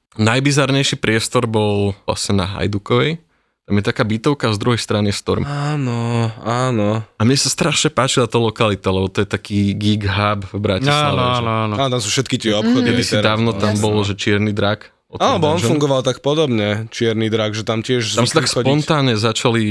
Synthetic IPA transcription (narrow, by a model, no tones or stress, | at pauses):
najbizaɾɲɛjʃipɾɪɛst̪ɔɾbɔlla̰sɲɛna̰ɦa̰jd̪ukɔʋɛj | t̪amjɛt̪akaːbit̪ɔʊkazd̪ɾuɦɛjst̪ɾanist̪ɔ̰ɾmaːnɔaːnɔamɲɛsast̪ɾaʃɲɛpaːt͡ʃilat̪ɔlɔkalit̪alɛbɔt̪ɔjɛt̪akiːɡiɡɦabvbɾacisalːaanɔanɔanɔanɔt̪amsuːfʃɛt̪kit̪ɪɛɔpxɔd̪kɛd̪isiaːʊnɔt̪ambɔlɔʒɛt͡ʃɪɛɾnid̪ɾak | ɔ̰t̪alɛbɔɔnfuŋɡɔʋalt̪akpɔd̪ɔbɲɛt͡ʃɪɛɾnid̪ɾaɡʒɛt̪amcɪɛʒzamsat̪aksɔpɔnt̪aːnɲɛzat͡ʃali